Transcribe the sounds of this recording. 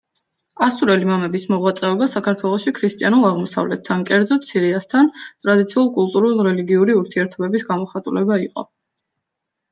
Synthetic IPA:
asuɾɛlimamɛbismɔʁwat̪sʼɛɔbasakʰaɾt̪ʰwɛlˠɔʃikʰɾist̪ʼianulˠaʁmɔsa̰vlɛt̪ʰːankʼɛɾd̪zɔt̪sʰiɾiast̪ʰant̪ʼɾad̪it̪sʰiulˠkʼulˠt̪ʼuɾulˠɾɛliɡiuɾiuɾt̪ʰiɛɾt̪ʰɔbɛbisɡamɔχat̪ʼulɛbaiqʼɔ̰

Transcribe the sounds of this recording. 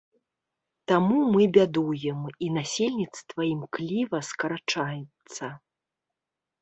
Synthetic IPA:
t̪amumɨbʲad̪ujɛminasʲelʲnʲit̪st̪vɐimklʲivɐskɐɾat͡ʂajɛt̪sɐ

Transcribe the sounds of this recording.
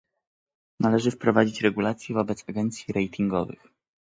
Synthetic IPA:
nalɛʐɘfpɾɔvad͡ʑit͡ɕɾɛɡulat̪sʲjɛvɔbɛt̪saɡɛnt̪sʲjiɾɛjt̪ʰiŋɡɔvɘ̰x

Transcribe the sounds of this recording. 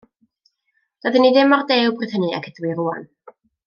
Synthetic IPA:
d̥əðɨniðɪmɔrdewbrɪθəniɛ̰kʰədwiruːa̰n

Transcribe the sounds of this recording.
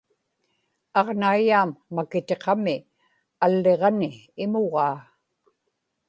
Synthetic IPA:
ɑʁnaijaːmːakɪt̪e̞qɑmɪ | alːe̞ʁɑnɪː | moʁɑː

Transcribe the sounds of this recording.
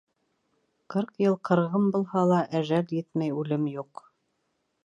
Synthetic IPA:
qɤɾqjɤlˠqʰɤ̆ɾʁɤmbulˠhɑlˠɑʔæʒæljɘt̪mæjʉlɘmjuq

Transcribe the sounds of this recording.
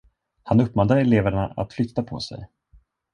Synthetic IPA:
hanɵpːmɔnaɛleːvəɳaa̰t̪flʏt̪ːapʰɔ̰sɛ̰j

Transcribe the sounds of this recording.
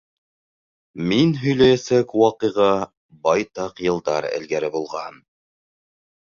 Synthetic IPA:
minɦɵ̆jlæjæsækwɑqɤ̆jʁɑ | bɑjt̪ɑqjɤ̆lˠd̪ɑɾæ̰lɡæɾɘbulˠʁɑn

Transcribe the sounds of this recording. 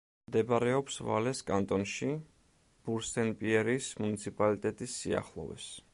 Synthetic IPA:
mmd̪ɛbaɾɛɔpsva̰lɛskʼant̪ʼɔnʃi | b̥uɾsʰɛnpʼiɛɾismunit̪sʰipʼalit̪ʼɛt̪ʼisːia̰χlˠɔ̰vɛ̰s

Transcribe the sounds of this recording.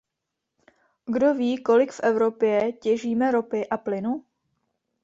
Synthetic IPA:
ɡdo̞viːko̞lɪkfʔɛvɾo̞pjɛcɛʒiːmɛɾo̞pɪʔaplɪnu

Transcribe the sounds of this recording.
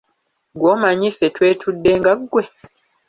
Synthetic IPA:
ɡwoːmaɲifetwe̞ːtʰudːeːŋɡaɡwe

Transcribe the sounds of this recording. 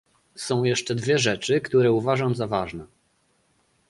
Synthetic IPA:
sɔ̃w̃jɛʂt͡ʂɛd̪vʲjɛʐɛt͡ʂɘkt̪uɾɛuvaʐamzavaʐnɛ

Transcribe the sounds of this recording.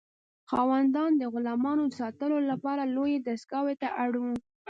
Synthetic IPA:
xɑwand̪ɑnd̪əɣʊlɑmɑnoəsɑt̪əlolapɑɾalojed̪askɑwet̪aʔaɽu

